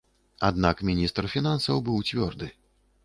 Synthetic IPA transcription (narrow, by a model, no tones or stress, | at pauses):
ad̪nakmʲinʲist̪rfʲinansɐwbɨwt͡sʲvʲɔrd̪ɨ